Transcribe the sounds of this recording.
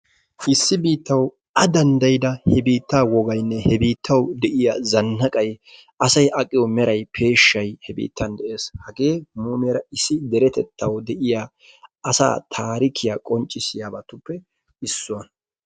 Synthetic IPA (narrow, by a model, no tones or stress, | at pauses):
ʔɪsːɪbiːt̪ːɐw | ɐd̪ɐnd̪ɐjɪd̪ɐhɛbiːt̪ːaːwɔɡɐjnːɛhɛbiːt̪ʰːɐwd̪ɛʔɪjazɐnːɐkʼɐj | ɐsɐjʔɐkʼɪjɔmɛɾɐjpʰe̞ːʃːɐjhɛbḭːt̪ːɐnd̪ɛʔe̞ːshɐɡe̞ːmuːmeːɾɐɪsːɪd̪ɛɾɛt̪ɛt̪ʰːɐwd̪ɛʔɪja | ɐsa̰ːt̪ʰaːɾɪkʰɪjaːkʼɔnt͡ʃʼːɪsɪjaːbɐt̪ːʊpːɛ | ɪsːʊɐn